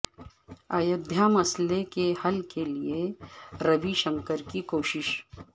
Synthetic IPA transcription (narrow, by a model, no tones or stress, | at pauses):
aːjɐd̪ʱjamɐslekehɐlkelieɾɐʋiʃɐ̃ŋkəɾkikoːʃɪʃ